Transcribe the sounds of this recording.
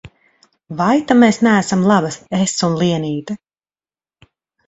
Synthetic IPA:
vajt̪ameːsnæːsamlˠabasesunliɛniːt̪a

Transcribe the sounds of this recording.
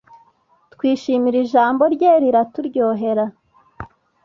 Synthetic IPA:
tkwiːʃiːmiɾiʒaːmbo̞ɾɟeːɾiɾatuɾɟoːɦe̞ɾa

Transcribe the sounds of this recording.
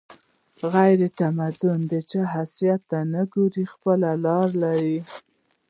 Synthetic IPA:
ɣajɾet̪amad̪ʊnd̪ət͡ʃaɦasijat̪ːanaɡoɾixpəlalɑɾlaɾi

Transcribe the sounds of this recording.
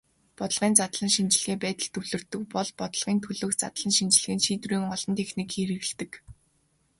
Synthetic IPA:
pɔt̪ə̆ɮʁiːnt͡sat̪ɮə̆nʃint͡ɕɪ̆ɮ̆ɣeːpæːt̪ə̆ɮt̪ʰɵwɮɵ̆rt̪ɵ̆k̚pɔɮpɔt̪ə̆ɮʁiːnt̪ʰɵɮoːxt͡sat̪ɮə̆nʃint͡ɕɪ̆ɮɘ̆ɣɘ̆nʃiːt̪riːŋɔɮɞ̆nt̪ʰexnikʰːeɾɘ̆ɣ̆ɮt̪ɘ̆k

